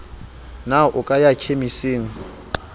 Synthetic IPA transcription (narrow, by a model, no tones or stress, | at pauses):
naʔʊkʼajakʰemiseːŋ̩